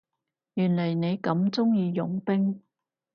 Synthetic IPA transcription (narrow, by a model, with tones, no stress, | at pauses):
jyː˨˩nlɐ˨˩jne˨˧jkɐ˨˥mt͡sʊ˥ŋjiː˨˧jʊ̰˨˥ŋpɪ˥ŋ